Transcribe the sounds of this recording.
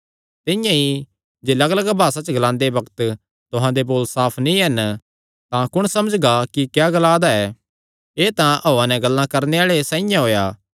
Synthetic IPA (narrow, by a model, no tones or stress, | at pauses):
t̪ɪ̃jãi | d͡ʒeːlɐɡləɡbʱaːsat͡ʃəɡlãːnd̪ebɐkt̪ | t̪ʊɦãd̪eboːlsaːpʰnĩɦɐn | t̪ãkʊɽ̃sɐməd͡ʒɡakikjaːɡɐlaːd̪aɛ | eːt̪ãʔoːãnɛɡɐlːãkɐɾneaːɭesãːĩjãɦoːjaː